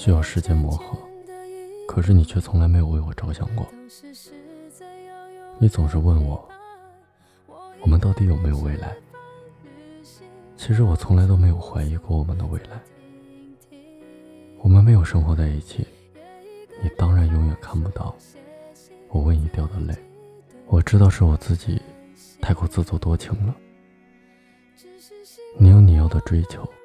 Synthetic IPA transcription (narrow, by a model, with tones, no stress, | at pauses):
ɕy˥jɑ˥˩ʊʂɻ̩˥˧t͡ɕjɛ˥nmwɔ˧˥xɤ˧˥ | kʰɤ˨˩ʂɻ̩˥˩ni˨˩t͡ɕʰɥɛ˥˩t͡sʰʊ˧˥ŋla˧˥ɪme˧˥jo˨˩ʊwe˥˩ɪwɔ˨˩ʈ͡ʂɑ˥ʊɕjɑ̰˥˩ŋkwɔ̰˥˩ | ni˧˥t͡sʊ˨˩ŋʂɻ̩˥˧wə˥˩nwɔ˨˩˦ | wɔ˨˩mə˦nt̪ɑ˥˩ʊt̪i˧˥jo˨˩me˧˥ɪjo˨˩ʊwe˧˥˩ɪla̰˧˥ɪ | t͡ɕʰi˧˥ʂ̬ɻ̩˧˥wɔ˨˩t͡sʰʊ˧˥ŋla˧˥ɪt̪o˥ʊme˧˥ɪjo˨˩ʊxwa˧˥ɪi˧˥kɔ˧˥wɔ˨˩mə˦nd̪ə̰˧wḛ˧˥˩ɪla˧˥ɪ | wɔ˨˩mə˦nme˧˥ɪjo˨˩ʊʂɤ˥ŋxwɔ˧˥t͡sa˥˧ɪi˥˩t͡ɕʰḭ˨˩˦ | ni˨˩t̪ɑ˥ŋɻa˧˥njʊ˧˥ŋjɛ˨˩nkʰa˥˩npu˧˥t̪ɑ˥˩ʊ | wɔ˨˩wə˥˧ni˧˥t̪jɑ˥˩ʊd̪ə˨le˥˩ɪ | wɔ˨˩ʈ͡ʂɻ̩˥t̪ɑ˥˧ʊʂɻ̩˥˩wɔ˨˩t͡sɹ̩˥˩t͡ɕḭ˨˩ | t̪ʰa˥˧ɪkwɔ˥t͡sɹ̩˥˧t͡swɔ˥˩t̪wɔ˥t͡ɕʰi˧˥ŋlə˧ | ni˨˩jo˥˩ʊni˨˩jɑ˥˩ʊd̪ə˩ʈ͡ʂwe˥ɪt͡ɕʰjo˧˥˦ʊ